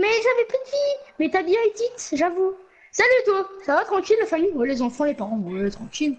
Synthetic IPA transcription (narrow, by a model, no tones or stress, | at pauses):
mɛʒavɛpyd̪vimɛt̪abjɛ̃id̪it̪ʒavu | salyt̪wasavat̪χɑ̃kʲilːafamijwɛlezɑ̃fɑ̃lepaʁɑ̃wɛt̪χɑ̃kʲil